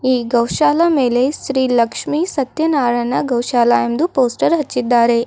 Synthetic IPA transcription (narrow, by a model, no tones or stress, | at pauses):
ɦiːɡɐwɕalamelesɾiːləkʂmisɐt̪jɐnaːɾanːaɡɐwɕaːlajemd̪uposʈəɾɦɐt͡ɕːid̪aːɾe